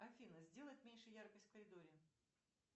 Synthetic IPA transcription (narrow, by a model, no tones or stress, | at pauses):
ɐfʲinːəzʲdʲe̞lˠəjɪt̪mʲenʲʂɨjjarkəsʲtʲfkəɾʲɪd̪o̞ɾʲɪ